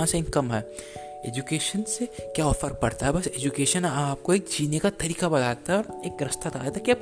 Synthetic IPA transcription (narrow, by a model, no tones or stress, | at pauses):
ãseɪ̃ŋkɐmɦɛː | ḛːd͡ʒukeːʃənsekjaɔːfəɾpɐɽt̪aɦɛbɐseːd͡ʒukeːʃənaːp̚koeːk̚d͡ʒiːnekat̪ɐɾiːkabɐlaːt̪aɦɛɔːɾeːkɾɐst̪ʰat̪a̰ːet̪akiɐb